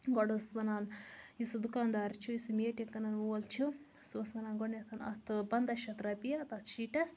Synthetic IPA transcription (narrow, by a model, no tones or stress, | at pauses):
ɡoɽusmɐnaːnisud̪ukaːnd̪aːɾt͡ʃʰuisumeːʈɐŋkɐnɐnʋoːlt͡ʃʰu | soːsmɐnaːnɡoɳet̪ʰɐnɐ̰t̪ʰpɐnd̪ɐʃɐt̪ɾɐpijɐt̪ɐt̪ʃiːʈɐs